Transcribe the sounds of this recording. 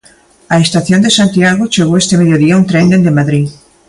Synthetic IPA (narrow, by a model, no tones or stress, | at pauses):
ɐest̪aθjond̪esant̪iaɣot͡ʃeɣowest̪emeðjoðiaunt̪ɾend̪end̪emaðɾi